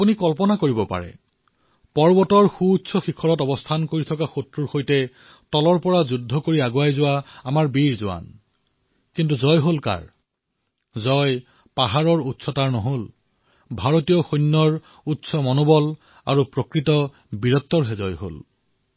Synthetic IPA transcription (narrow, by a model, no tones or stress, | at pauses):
apunikɔlpɔnakoɹibɔpa̰ɹɛ̰ | pɔɹbɔtɔɹxuːtːsʰɔxikʰɔɹɔtɔbɔstʰankoɹitʰɔkaxotɹuɹxojtɛ | tɔlɔɹpɔɹazudʱːɔkoɹiaɡoajzʊwaamaɹbiɹzʊa̰n | kintuzɔjɦolka̰ɹ | zɔj | paɦaɹɔɹutːsʰɔtaɹnɔɦol | bʱaɹotijɔxojnːɔɹ | utːsʰɔmɔnobɔl | a̰ɹupɹokɹitɔ | biɹɔt̪ːɔɹɦɛzɔjɦo̰l